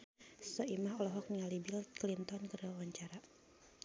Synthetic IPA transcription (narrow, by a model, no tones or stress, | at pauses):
sɔimahɔlɔɦɔk̚niŋalibilklint̪ɔnkərwawaɲt͡ʃaɾa